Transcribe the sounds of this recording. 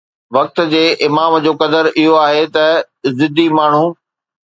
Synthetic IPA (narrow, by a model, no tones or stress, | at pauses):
ʋɐk̚t̪̆d͡ʑeːʔɪmaːmd͡ʑoːkɐd̪əɾʔɪɦoaːɦet̪ɐ | zɪd̪ʱimaːɳ̤u